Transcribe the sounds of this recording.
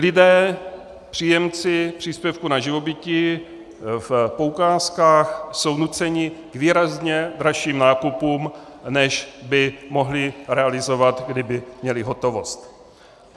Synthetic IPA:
lɪdɛː | pr̝̥iːjɛmt͡sɪpr̝̥iːspjɛfkunaʒɪvo̞bɪcɪ | fpoukaːskaːxso̞wnut͡sɛɲɪɡ̥viːɾazɲɛd̪ɾaʃiːmnaːkupuːmnɛʒbɪmo̞ɦlɪɾɛalɪzo̞vat̪ɡdɪbɪmɲɛlɪɦo̞t̪o̞vo̞st̪

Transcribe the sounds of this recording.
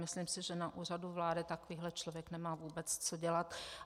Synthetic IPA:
mɪsliːmsɪʒɛnaʔuːr̝aduvlaːdɪt̪akoviːɦlɛt͡ʃlovjɛknɛmaːvuːbɛt͡st͡soɟɛlat̪

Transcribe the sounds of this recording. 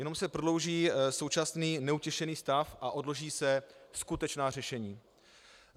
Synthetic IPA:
jɛno̞msɛpɾodlo̞wʒiːso̞wt͡ʃasniːnɛucɛʃɛniːst̪afʔaʔo̞dlo̞ʒiːsɛskut̪ɛt͡ʃnaːrɛʃɛɲiː

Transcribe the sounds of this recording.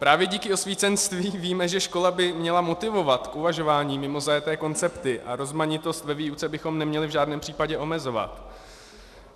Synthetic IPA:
pɾaːvjɛɟiːkɪo̞sviːt͡sɛnst̪viːviːmɛʒɛʃko̞labɪmɲɛlamo̞t̪ɪvo̞vat̪kʔuvaʒo̞vaːɲiːmɪmo̞zajɛt̪ɛːko̞nt͡sɛpt̪ɪʔa̰ɾo̞zmaɲɪt̪o̞st̪vɛviːut͡sɛbɪxo̞mnɛmɲɛlɪvʒaːdnɛːmpr̝̥iːpaɟɛʔo̞mɛzo̞va̰t̪

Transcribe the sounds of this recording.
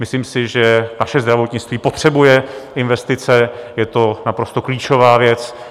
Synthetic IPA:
mɪsliːmsɪʒɛnaʃɛzd̪ɾavo̞t̪ɲɪt͡st̪viːpo̞t̪r̝̥ɛbujɛɪnvɛst̪ɪt͡sɛjɛt̪o̞napɾo̞st̪o̞kliːt͡ʃo̞vaːvjɛt͡s

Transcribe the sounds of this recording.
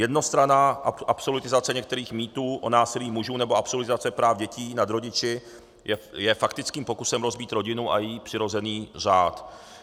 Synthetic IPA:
jɛdno̞st̪ɾanaʔʔapso̞lɪt̪ɪzat͡sɛɲɛk̚t̪ɛɾiːxmiːt̪uːʔonaːsɪliːmuʒuːnɛbo̞apso̞lɪt̪ɪzat͡sɛpɾaːvɟɛciːnad̪ɾo̞ɟɪt͡ʃɪ | jɛjɛfakt̪ɪt͡skiːmpo̞kusɛmɾo̞zbiːt̪ɾo̞ɟɪnuʔa̰jiːpr̝̥ɪɾo̞zɛniːr̝aːt̪

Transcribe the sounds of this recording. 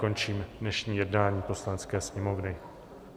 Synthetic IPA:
ko̞nt͡ʃiːmdnɛʃɲiːjɛdnaːɲiːpo̞slanɛt͡skɛːsɲɛmo̞vnɪ

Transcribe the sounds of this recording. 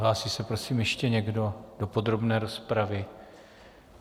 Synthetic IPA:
ɦlaːsiːsɛpɾo̞siːmjɛʃcɛɲɛɡdo̞d̥o̞po̞d̪ɾo̞bnɛːɾo̞spɾavɪ

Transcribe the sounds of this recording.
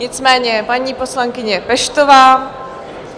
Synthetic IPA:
ɲɪt͡smɛːɲɛpaɲiːpo̞slaŋkɪɲɛpɛʃt̪ovaː

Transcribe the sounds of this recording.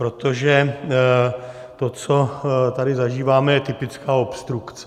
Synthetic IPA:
ɾo̞t̪o̞ʒɛ | t̪o̞t͡so̞t̪adɪzaʒiːvaːmɛjɛt̪ɪpɪt͡skaːopst̪ɾukt͡sɛ

